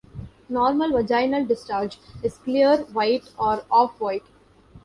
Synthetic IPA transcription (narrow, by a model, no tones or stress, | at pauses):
nɔːɾməlʋəd͡ʒaɪnəlɖɪst͡ʃaːɾd͡ʒɪzkliəɾʋaɪʈɔːɾɔːfʋaɪʈ